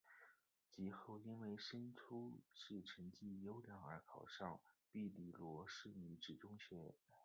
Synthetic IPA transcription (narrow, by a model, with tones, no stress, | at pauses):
t͡ɕi˧˥xo˥˩ʊi˥nwe˥˩ɪʂə˥nʈ͡ʂʰu˥ʂɻ̩˥˩ʈ͡ʂʰə˧˥ŋt͡ɕi˥˩jo˥ʊljɑ˧˥ŋə̰˞˧˥kʰɑ˨˩ʊʂɑ˥˧ŋpi˥˩li˨˩lwɔ˧˥ʂɻ̩˥˩ny˧˥ʈ͡ʂɻ̩˨˩ʈ͡ʂʊ˥ŋɕɥɛ˧˥